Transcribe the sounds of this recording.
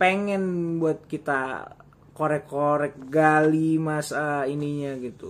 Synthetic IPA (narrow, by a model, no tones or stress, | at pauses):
peŋɛnbuat̪̚kit̪a | koɾɛkːoɾɛk̚ɡalimasainiɲaɡit̪u